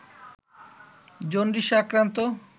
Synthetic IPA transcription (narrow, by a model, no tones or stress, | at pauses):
d͡ʑonɖiʃakɾant̪o